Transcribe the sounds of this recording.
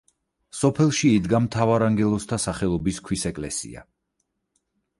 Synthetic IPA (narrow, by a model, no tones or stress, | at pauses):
sɔpʰɛlˠʃiːd̪ɡamt̪ʰavaɾaŋɡɛlˠɔst̪ʰasaχɛlˠɔbiskʰwisɛkʼlɛsḭa̰